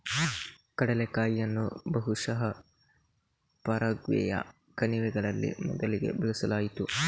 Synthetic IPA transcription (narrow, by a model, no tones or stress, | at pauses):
kɐɽɐlekaːjːɐnːṵbɐɦuʂɐɦɐ | pɐɾɐɡʋɛ̰jɐ̰ | kɐniʋɛɡɐɭɐlːḭmɔd̪ɐliɡe̞̰bɛlisɐlaːjit̪u